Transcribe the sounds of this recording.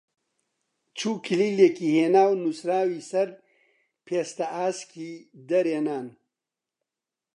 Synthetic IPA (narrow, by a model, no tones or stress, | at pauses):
t͡ʃʰuːkʰiliːleːkiːheːnaːwnusɾaːwisɐɾ | pʰeːst̪ɐaːskid̪ɐɾeːnaːn